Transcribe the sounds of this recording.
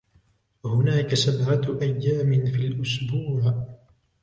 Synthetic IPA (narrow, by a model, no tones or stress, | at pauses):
hʊnaːkasabʕaʔajːaːmɪnfilʔʊsbuːʕ